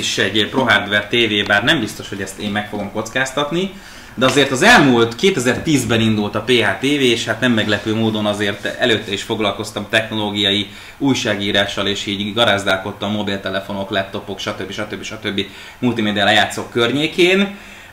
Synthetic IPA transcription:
iʃɛɟpro̞ɦaːrd̪vɛrt̪eːveːbaːrnɛmbist̪o̞ʃho̞ɟɛst̪eːmːɛkfo̞ɡo̞mko̞t̪skaːst̪ɒt̪ni | d̪ɛɒzeːrt̪ɒzɛlmuːlt̪keːt̪ɛzɛrt̪iːzbɛnind̪ult̪ɒpeːɦaːt̪eːveːʃhat̪nɛmːɛɡlɛpøːmoːd̪o̞nɒzeːrt̪ɛløːt̪ːɛiʃfo̞ɡlɒlko̞st̪ɒmt̪ɛxno̞loːɡijɒji | ujʃaːɡiːɾaːʃːɒleːʃiːɟɡɒɾaːzd̪aːlko̞t̪ːɒmːo̞bilt̪ɛlɛfo̞no̞klɛp̚t̪o̞po̞kʃɒt̪øbːiʃɒt̪øbːiʃɒt̪ø̞bːi | mult̪imeːd̪ialɛjaːt̪so̞kːørɲeːkeːn

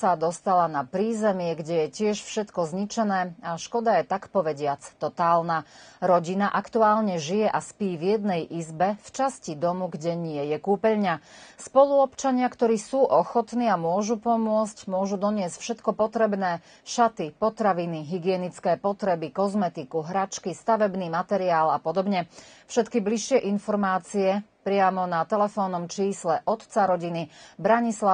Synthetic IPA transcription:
sad̪ɔst̪alanapɾiːzɛmɪɛɡɟɛjɛcɪɛʃfʃɛt̪kɔzɲit͡ʃɛnɛːaʃkɔd̪ajɛt̪akpɔʋɛɟɪat͡st̪ɔt̪aːlnaɾɔɟinaʔakt̪uaːlɲɛʒijɛʔaspiːvjɛd̪nɛjʔizbɛft͡ʃascid̪ɔmuɡɟɛɲɪɛjɛkuːpɛʎɲaspɔlˠuɔpt͡ʃaɲɪakt̪ɔɾiːsuːʔɔxɔt̪niːamʊɔʒupɔmʊɔscmʊɔʒud̪ɔɲɪɛscfʃɛt̪kɔpɔt̪ɾɛbnɛː | ʃat̪ipɔt̪ɾaʋiniɦiɡɪɛnit͡skɛːpɔt̪ɾɛbikɔzmɛt̪ikuɦɾat͡ʃkist̪aʋɛbniːmat̪ɛɾiaːlapɔd̪ɔbɲɛfʃɛt̪kibliʃːɪɛʔinfɔɾmaːt͡siɛpɾɪamɔnat̪ɛlɛfɔnːɔmt͡ʃiːslɛʔɔt̪t͡saɾɔɟinibɾaɲisla

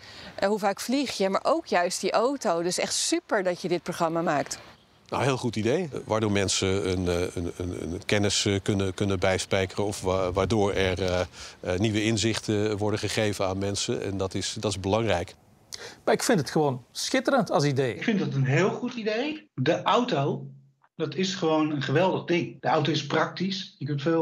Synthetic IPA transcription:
ɦuvaːkfliχjəma̰ːɹʔowkjœɥstdiʔowtowdɪsɛχtsypəɹdɑcjədɪt̚proχrɑmaːmaːkt | nawɦɪːlˠχutidejʋaːɹdoːɹmɛnsəənənə̰nə̰nkɛnɪskɵnəkɵnənbɛjspɛjkərənɔfʋaːɹdoːɹɛɹ | niʋəɪnzɪχtəʋɔɹdəχəχejvənaːnmɛnsənɛ̰ndɑtɪsdɑtɪzbəlɑŋrɛjk | maɪkfɪntətxəʋoːnsxɪtərəntɑlˠs̬idejɪkfɪndɑtənɦɪːlˠχutidejdəʔawtow | dɑtɪsχəʋownənχəʋɛlˠdəχdɪŋd̥əawtoɪsprɑk̚tisɪkfɪːl

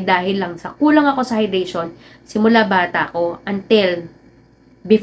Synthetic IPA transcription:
d̪aːɦɪlːɐŋsɐkuːlɐŋɐko̞sɐhɐjd̪ɾɛjʃo̞n | sɪmʊlabaːt̪ɐʔɐko̞ʔɐnt̪ɪl | bɪf

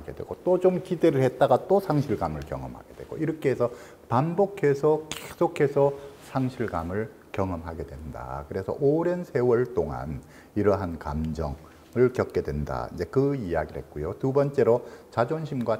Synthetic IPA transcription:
ɡe̞̰dwe̞̰ɡ̥ot͈ot͡ɕomkide̞ɾɯɭhet̚t͈aɡat͈osʰaŋɕʰiɭɡamɯɭkjʌ̰ŋʌmha̰ɡe̞d̥we̞ɡ̥o̰iɾʌkʰeesʰʌ | panbokʰe̞sʰʌkesʰokʰe̞sʰʌsʰaŋɕʰiɭɡamɯɭ | kjʌŋʌmɦaɡe̞dwe̞nda̰kɯɾe̞sʰʌ̰ʔoɾe̞nsʰe̞wʌɭt͈oŋa̰n | iɾʌɦanka̰md͡ʑʌ̰ŋ | ɯɭkjʌt̚k͈e̞dwe̞nda̰id͡ʑe̞kɯija̰ɡiɾhe̞̰t̚k͈ujotubʌnt͡ɕ͈e̞ɾot͡ɕad͡ʑonɕʰimɡwa

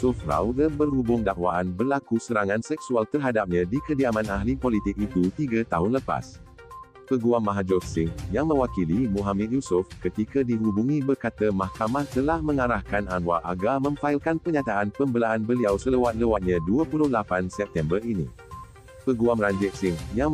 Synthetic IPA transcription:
sʊfra̰wɡəbərhubʊŋdaʔwaʔanbərlakusəɾaŋãnsɛk̚sualt̪ərɦadap̚ɲãdikədiamãnaɦlipolit̪ɪk̚it̪ut̪iɡət̪aɦʊnləpa̰s | pəɡuamːãɦad͡ʒɔfsɪŋjaŋmə̃wakilimũɦamɛt̪̚jusʊfkət̪ikədiɦubuŋĩbərkat̪əmahkamaht̪əlahmə̃ŋaɾahkanʔanwaʔaɡamə̃ŋfaɪlkanpərɲat̪aʔanpəmbəlaʔanbəliawsələwat̪̚ləwat̪̚ɲãduəpulʊhlapansɛp̚t̪ɛmbərinḭ̃ | pəɡuamraɲd͡ʒɛk̚sɪŋja

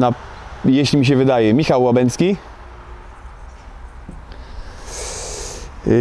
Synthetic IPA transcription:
na | jeɕlʲimʲiɕ̬ɛvɘd̪ajɛmʲixawːabɛnʲskʲi

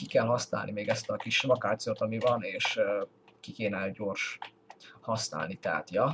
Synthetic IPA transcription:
kikɛlɦɒsna̰ːlnimeːɡɛst̪ɒkiʃvɒkaːt̪sijoːt̪ɒmivɒneːʃ | kikeːnɛɟo̞ːrʃ | hɒsna̰ːlnit̪ɛɦa̰t̪jɒ

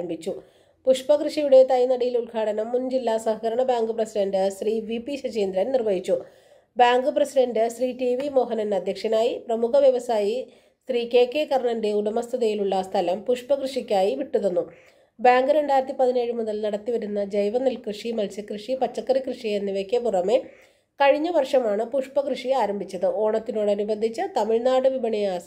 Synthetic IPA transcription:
mbit͡ɕːu | puʂpɐkrɨʂijuɽe̞t̪ɐjnɐɽɐjilulɡʱaːɽɐnɐmːund͡ʑilːaːsɐɦɐkɐɾɐɳɐbaːŋɡɨprɐsiɖɐndɨsriːʋipiɕɐt͡ɕeːnd̪ɾɐnnirʋɐjit͡ɕːu | baːŋɡɨprɐsiɖɐndɨsriːʈiʋimo̞ːɦɐnɐnɐd̪ʱjɐkʂɐnaːjiprɐmukɐʋjɐʋɐsaːji | sriːke̞ːkːe̞kɐrɳɐnde̞uɽɐmɐst̪ʰɐðɐjiluɭːɐst̪ʰɐlɐmpuʂpɐkrɨʂikʲːaːjiʋiʈːuðonːu | bjaːŋɡɨɾe̞ɳɖaːjiɾɐt̪ːipɐðine̞ːɻɨmuðɐlnɐɽɐt̪ːiʋɐɾunːɐd͡ʑejʋɐnːilkrɨʂimɐlsjɐkrɨʂipɐt͡ɕːɐkːɐɾikrɨʂienːiʋekːepurɐme̞ | kɐɻiɲːɐʋɐrʂɐmaːɳɨpuʂpɐkrɨʂiaːɾɐmbʱit͡ɕːɐðɨo̞ːɳɐt̪ːino̞ːɽɐnubɐnd̪ʱit͡ɕːɨt̪ɐmiɻnaːɽɨʋibɐɳijaːs

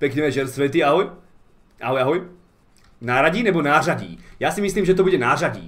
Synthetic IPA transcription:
pɛkɲɛɛʒɛɾsʋɛt̪iːaɦɔj | ʔa̰ɦɔjaɦɔj | naːɾaɟiːnɛbɔnaːraɟḭːjaːsimisliːmʒɛt̪̬ɔbuɟɛnaːraɟḭː

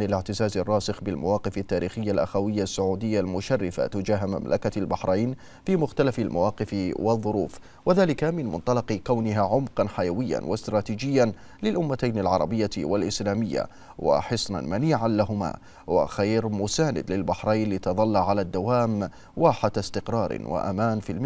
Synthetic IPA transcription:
nɪlɪʕt̪ɪzaːzɑrˤːɑːsɨxbɪlma̰wɑːqɨfat̪ːaːɾiːxɪjːalʔaxawɪjːasːʊʕuːd̪ɪjːalmʊʃarːɪfa̰t̪ʊd͡ʒaːɦma̰mlʔa̰kalbaħɾˤajn | fiːmʊxt̪alafalma̰wɑːqɨfwɑðˤːʊɾuːf | waðaːlɪkamɪnmʊ̰nt̪ˤɑlɑqkawnɪɦaʕʊmqɑnħajawɪjːa̰nwɪst̪ɾˤɑːt̪iːd͡ʒɪjːa | lɪlʔʊmːat̪ajnalʕɑɾˤɑbɪjːawalʔɪslaːmɪjːa̰ | wa̰ħɨsˤnɑ̰nmaniːʕanlaɦʊma̰ː | wa̰xajɾmʊsaːnɪ̰d̪lɪlbaħɾˤajnlɪt̪ɑðˤɑlːaʕalaːd̪ːawaːm | waːħad̪st̪ɪqɾˤɑːɾ̰nwa̰ʔa̰maːnfilm

